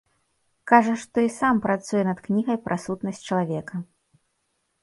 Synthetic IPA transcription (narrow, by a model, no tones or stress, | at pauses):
kaʐɐʂt̪ɔisampɾat̪sujɛnɐt̪knʲiɣɐjpɾʔɐsut̪nɐsʲt͡ʂɐlˠavʲɛkɐ